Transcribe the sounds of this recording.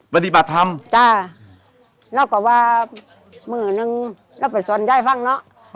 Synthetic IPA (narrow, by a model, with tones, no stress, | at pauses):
ba˧ni˧˩ba˨˩t̪ʰːa˧˥mt͡ɕa˧˩ | lɛː˧˥˨wkɔ˧˩waː˧ | mɯː˧˩nɯ˧ŋ | lɛː˧˥˨wpa˨jsu˨˦ə˦nt͡ɕa˧˩˨jfa˧˥˨ŋnɔ˧˥ʔ